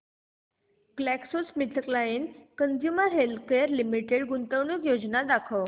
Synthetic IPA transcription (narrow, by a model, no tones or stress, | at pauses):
klɛksosmiʈʰəklainkənd͡ʑjuməɾɦelkeəɾlimiʈeɽɡunt̪əʋɳikjod͡ʑnad̪akʰəʋ